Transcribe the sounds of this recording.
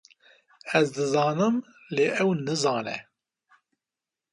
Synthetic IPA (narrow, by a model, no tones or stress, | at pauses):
ɛzd̪ɨzɑːnɨm | leːʔɛwnɨzɑːnɛ̰